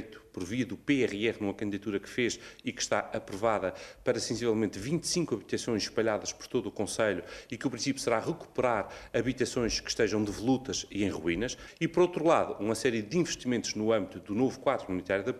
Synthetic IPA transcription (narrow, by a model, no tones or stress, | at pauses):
jt̪u̥pɔɾviɐðupeɛʁɛʁnumɐkɐ̃nd̪iðɐt̪uɾɐkɨ̥feʃikɨ̥ʃt̪aɐpɾuvaðɐpɐɾɐsẽsivɛlˠmẽnt̪vĩnt̪sĩŋkwɐβit̪ɐsõj̃ʃʃpɐʎaðɐʃpɔ̥ɾt̪oðuːkõsɐʎuikupɾĩsipju̥sɨɾaʁɨku̥pɨɾaɾɐβit̪ɐsõj̃ʃkɨ̥ʃt̪ɐʒɐ̃w̃d̪ɨvulˠut̪ɐʃiẽj̃ʁwinɐʃipɔɾowt̪ɾulˠaðuumɐsɛɾjɨd̪ĩvɨʃt̪imẽnt̪uʒnuɐ̃mbit̪uðunovukwaðɾumunit̪aɾjuðɐ